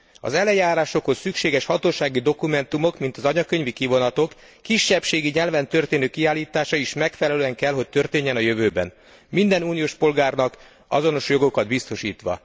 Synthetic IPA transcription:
ɒ̰zɛlːɛjaːɾaːʃo̞kho̞sːykʃeːɡɛʃhɒt̪oːʃaːɡid̪o̞kumɛnt̪umo̞kmint̪ɒzɒɲɒkøɲvikivo̞nɒt̪o̞kː | iʃːɛpʃeːɡiɲɛlvɛnt̪ø̞rt̪eːnøːkiaːlːiːt̪aːʃɒiʃmɛkfɛlɛløːɛŋkɛlɦo̞c̚t̪ø̞rt̪eːɲːɛnɒjø̞vøːbɛ̰n | mind̪ɛnuːnijoːʃpo̞lɡaːrnɒk | ɒ̰zo̞no̞ʃjo̞ɡo̞kɒd̪bist̪o̞ʃiːt̪ʋɒ̰

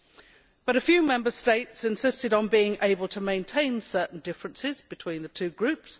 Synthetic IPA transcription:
b̥ʌɾəfjʉːmɛ̃mbəsteɪtsɪ̃nsɪstɪdn̩biːɪ̃ŋʔeɪbəlˠtʰəmẽɪ̃ntʰẽɪ̃nsɜˑʔn̩dɪfɹə̃nsɪzbɪtʰw̥ĩːnðətʰʉːɡɹʉˑps

